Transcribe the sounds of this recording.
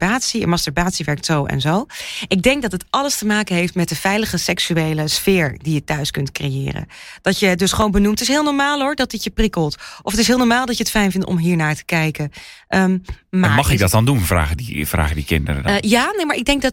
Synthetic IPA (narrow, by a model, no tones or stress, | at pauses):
baːtsiə̰nmɑstəɹbaːtsiʋɛɹk̚tsowɛ̰nzowʔɪɡ̚dɛŋk̚dɑtətʔɑləstəmaːkənɦejftmɛt̚dəvɛjləχəsɛksyejləsfɪːɹdijətœɥskɵntkrejɪ̰ːrə̰nd̥ɑtjədɵsχəʋownbənumtɪsɦɪːlˠnɔɹmaːlˠɦʊɹdɔt̚dɪtjəprikəlˠtʔɔfətɪs̬ɦɪːlˠnɔːɹmaːlˠdɑtjəətfɛjnvɪntɔ̰mɦiːɹnaːɹtə̥kɛjkənʔəmmamɑχɪdɔt̚dɑndunvra̰ːɣədḭvra̰ːɣədikɪ̰ndə̰rə̰jaːnejmaːɹʔɪɡ̚dɛŋk̚dɑ